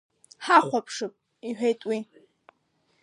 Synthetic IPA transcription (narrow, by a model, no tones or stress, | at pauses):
ħaχʷapʰʂɨpʼ | iħᶣejtʼwi